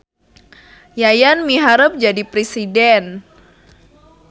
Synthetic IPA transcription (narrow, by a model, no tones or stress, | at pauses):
jajanmiɦaɾəp̚d͡ʒadipɾesidɛn